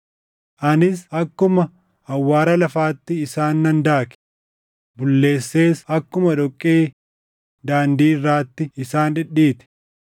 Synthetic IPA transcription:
ʔɐnɪsɐkːʊmɐ | ɐwːaːɾɐlɐfaːt̪ːɪːsaːnːɐnd̪aːkɛ̥ | bʊlːe̞ːsːe̞ːsɐkːʊmɐᶑɔkʼːeː | d̪aːnd̪iːɪrːaːt̪ːɪɪsaːnᶑɪɗːiːt̪ɛ̥

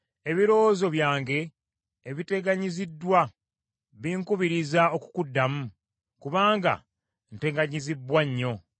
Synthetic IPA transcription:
e̞βiɾo̞zo̞βjaːŋɡe̞ː | βite̞ɡaɲizidːwa | βiːŋkuβiɾizao̞ku̥kudːamu | kuβaːŋɡa̰ | nte̞ɡaɲizibwaɲːo̞

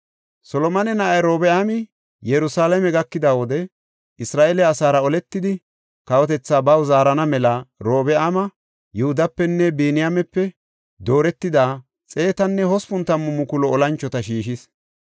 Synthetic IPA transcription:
sɔlɔmɐnɛnɐʔɐjɾo̞ːbɛʔamɪ | jɛɾʊsaːlɐmɛɡɐkːɪd̪awɔd̪ɛ | ʔɪsɾaːʔɛlɛːsaːɾɐɔlɛt̪ːɪd̪ɪ | kɐwɔt̪ɛt͡sːaːbɐwzaːɾɐnɐmɛlɐɾo̞ːbɛʔaːmɐ | jʊhʊd̪ɐpːɛnːɛbiːnɪjamɛpːɛ | d̪o̞ːɾɛt̪ːɪd̪aː | t͡sʼe̞ːt̪ɐnːɛhɔspʊnt̪ːɐmːʊmʊkʊlɔɔlɐnt͡ʃːɔt̪ɐʃiːʃɪs

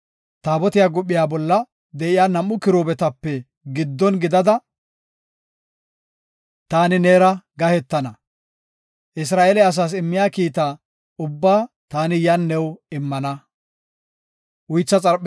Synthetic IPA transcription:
t̪aːbɔt̪ɪjaːɡʊɓːɪjaːbɔlːɐ | d̪ɛʔɪjaːnɐmːʊkɪɾoːbɛt̪ɐpːɛ | ɡɪd̪ːɔnɡɪd̪ɐd̪ɐ | t̪aːnɪneːɾɐɡɐhɛt̪ːɐnɐ | ʔɪs̬ɾaːʔelɛɐs̬aːs̬ɪmːɪjaːkiːt̪a | ʊbːaː | t̪aːnɪjɐnːɛwɪmːɐnɐ | ʔʊjt͡sːɐt͡sʼɐɾ

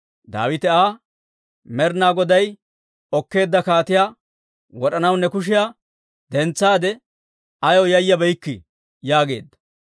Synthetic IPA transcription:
d̪a̰ːwɪt̪ɛaː | mɛɾnaːɡɔd̪ɐj | ɔkːe̞ːd̪ːɐkaːt̪ɪjaː | wɔɗɐnɐwnɛkʊʃ̬ɪjaː | d̪ɛnt͡sːaːd̪ɛ | ɐjɔjɐjːɐbɛjkːɪ̰ | jaːɡe̞̰ːd̪ːɐ̥

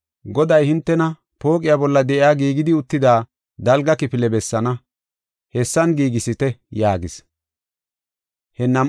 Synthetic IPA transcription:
ɡɔd̪ɐjhɪnt̪ːɛnɐ | po̞ːkʼɪjabɔlːɐd̪ɛʔɪaːɡiːɡɪd̪ɪʊt̪ːɪd̪aː | d̪ɐlɡɐkɪpɪlɛbɛsːɐnɐ | hɛsːɐnɡiːɡɪsɪt̪ɛjaːɡɪs | hɛnːɐm

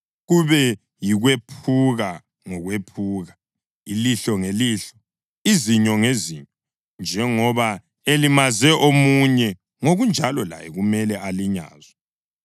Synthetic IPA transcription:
ɣuβɛ | jiɣwepʰuɣa | ŋɔɣwepʰuːɣa | iliɬɔŋeliːɬɔ̥ | iziɲɔŋeziɲɔ | nd͡ʒʱɛŋɔβa | elimazɛʔomuɲɛ | ŋoɣund͡ʒʱalɔla̰jɛɣumɛlɛʔaliɲa̰ːzɔ

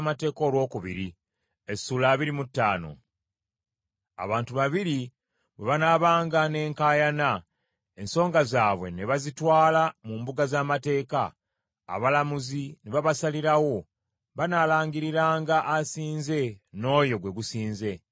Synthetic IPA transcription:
mate̞ːko̞ːlwo̞ːkuβḭɾi | esuːlaːβiɾimutːaːno̞̰ | a̰βaːntuβaβiɾi | βwe̞βanaβaːŋɡane̞ːŋkaːjana | e̞nso̞ːŋɡazaːβwe̞neβazitwaːlamuːmbuɡazaːmate̞ːka̰ː | βalamuzineβaβasaliɾawo̞ | βanaːlaːŋɡiɾiɾaːŋɡaʔasiːnze̞no̞ːjo̞ɡwe̞ɡusiːnze̞

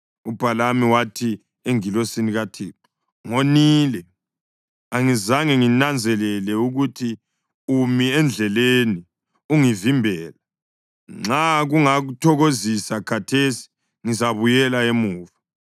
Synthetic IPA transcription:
ub̥ʱalamiwatʰi | eŋilosiniɣatʰeːtu̥ | ŋoniːlɛ | aŋizaŋɛŋinand͡zʱɛlɛlɛuɣutʰi | umiɛnd͡ɮʱɛleni | uŋivimbʱɛːla | ŋ͡ǁaɣuŋaɣutʰɔɣozisakʰatʰesi̥ | ŋizaβujɛlaemuːva

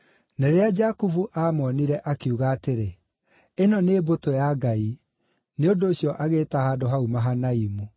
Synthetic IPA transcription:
nɛɾead͡ʒakufuʔamɔniɾɛʔakeuɣaːteɾe | enɔnebotojaɡai | neondoːɕjɔʔaɣeːtahaːdoɦaumaɦanaimu

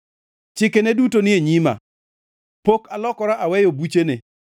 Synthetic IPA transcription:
t͡ʃɪkenɛdutonɪeɲima̰ | pokalɔkɔɾaʔawɛjobut͡ʃene

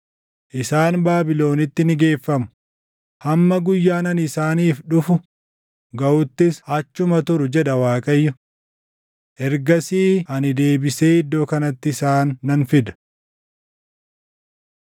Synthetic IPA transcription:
ʔɪsaːnbaːbɪlo̞ːnɪt̪ːɪnɪɡe̞ːfːɐmʊ̥ | hɐmːɐɡʊjːaːnɐnɪsaːniːfᶑʊfʊ | ɡɐʔʊt̪ːɪsɐt͡ʃːʊmɐt̪ʊɾʊd͡ʒɛᶑɐwaːkʼɐjːʊ | ʔɛɾɡɐsiːɐnɪd̪e̞ːbɪse̞ːhɪd̪ːo̞ːkɐnɐt̪ːɪɪsaːnːɐnfɪd̪ɐ̥

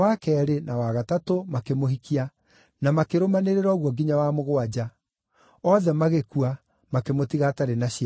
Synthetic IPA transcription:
wakɛɾenawaɣatatomakemoɦikia | namakeɾomaneɾeɾɔɣwɔɡiɲawamoɣoad͡ʑa | ɔðɛmaɣekua | makemotiɣataɾenaɕa

